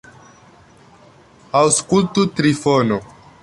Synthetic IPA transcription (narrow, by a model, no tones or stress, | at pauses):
awskult̪ut̪ɾifono